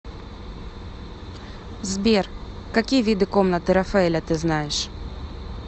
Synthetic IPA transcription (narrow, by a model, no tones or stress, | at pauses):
zbʲerkɐkʲijəvʲid̪ɨkomnət̪ɨɾɐfɐɛlʲɐt̪ɨznajɪʂ